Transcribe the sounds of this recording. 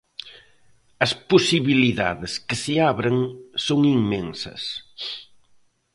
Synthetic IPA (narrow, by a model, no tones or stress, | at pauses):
ɐsposiβiliða̰ðɪskɪsɪaβɾeŋsoŋiŋmensɐ̰s